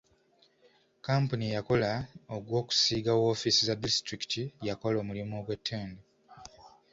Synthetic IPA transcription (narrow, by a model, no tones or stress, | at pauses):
kaːmpunijako̞laoɡwo̞ːku̥siːɡawo̞ːfisizadistɾiki̥tijako̞lo̞ːmulimoɡwe̞tʰːe̞ːnde